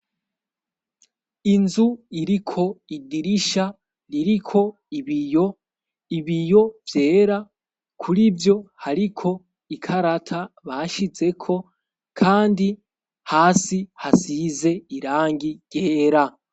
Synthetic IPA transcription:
inzuiɾikʰo̞idiɾiʃa | ɾiɾikʰo̞ | iβijo | iβijo̞vje̞ːɾa | kʰuɾibjo̞haɾikʰo̞ | ikʰaɾatʰaβaʃize̞kʰo̞ | kʰaːndi | haːsihasize̞iɾaːŋɡiɟ̥e̞ːɾa

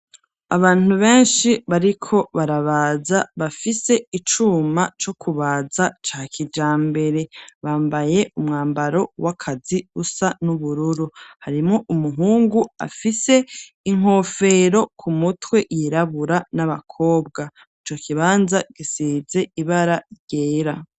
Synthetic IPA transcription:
a̰βaːn̥uβe̞ːnʃiβaɾikʰo̞βaɾaβazaβafise̞it͡ʃuːmat͡ʃo̞kʰuβaːzat͡ʃaːkʰid͡ʒaːmbe̞ɾe̞βaːmbaje̞umŋaːmbaɾo̞wakʰaziusanuβuɾuɾuhaɾimŋoʔumuɦuːŋɡua̰fise̞ | iŋ̥o̞ːfe̞ɾo̞kʰumutwe̞ʔjeɾaβuɾanaβakʰo̞ːbɡa | it͡ʃo̞kʰiβaːnzaɡisiːze̞iβaɾaɾɟeːɾa

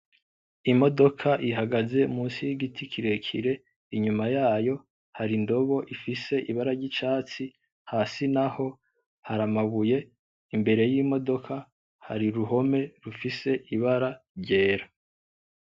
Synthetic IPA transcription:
imo̞do̞kʰaʔiɦaɡaze̞umuːnsijiɡitikʰiɾe̞kʰiɾe̞ | iɲumajaːjo̞ | haɾindo̞βo̞ʔifise̞ʔiβaɾaɾɟit͡ʃaːt͡si | haːsinaho̞ | haɾamaβuje̞ | imbe̞ɾe̞jimo̞do̞kʰa | ha̰ɾiɾuɦo̞me̞ɾufise̞ʔiβaɾaɾɟe̞ːɾa

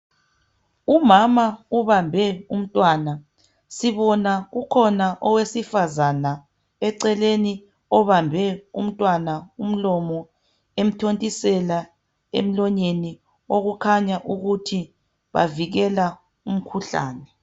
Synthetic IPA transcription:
umamauβambʱɛum̩tʼwana | siβɔnaɣukʰɔnaʔɔwesifazana | ɛǀɛleni | ɔβambʱɛum̩tʼwanaum̩lɔmɔ | em̩tʰontʼisɛla | ḛm̩lɔɲeni | oɣukʰaɲaʔuɣutʰi | βa̰viɣɛla | um̩kʰuɬa̰ːnɛ

